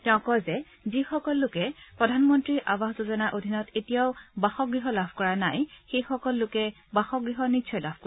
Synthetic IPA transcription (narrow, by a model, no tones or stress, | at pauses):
tɛʊ̃kɔzɛ | zixɔkɔlːʊkɛpɹɔdʱanmɔntɹiɹʔabaxzuzɔnaʔodʱinɔtetijaʊbaxɔɡɹiɦɔlabʱkɔɹanajxejxɔkɔlːʊkɛ | baxɔɡɹiɦɔnitsʰɔjlab̥ʰʱko